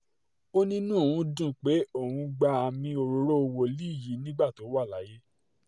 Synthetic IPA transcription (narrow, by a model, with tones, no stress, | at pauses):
o˦nĩ˦nũ˦o˨wũ˧˦dũ˦˨k͡pe˨˦o˦˨wũ˨˧ɡ͡ba˧a˨mĩ˧o˧ɾo˨˦ɾo˦o˧wo˧li˦˨ji˨˦nĩ˦ɡ͡ba˦˨to˨˦wa˦˨la˨˦je˦